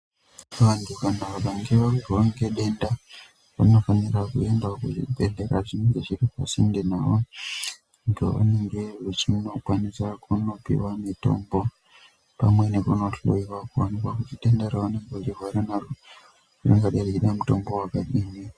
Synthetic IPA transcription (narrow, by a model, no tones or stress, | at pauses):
andikanaaɓaŋɡeʋaɡaŋɡeɗe̞nda | ʋano̞fanirakuembakuibeɮeɾa̰ʐineŋɡeʐiripa̰sindenawo | ŋɡeʋa̰neŋɡeʐet͡ʃino̞kwanisakʰuno̞pḭwamito̞̰mbo̞ | pamwe̞nekuno̞ɬo̰iwakuwanikwakutiɗendaɾaʋaneŋɡeot͡ʃirwaɾanaro | inoŋɡaɗerekiɗamuto̞mbo̞wakaɗini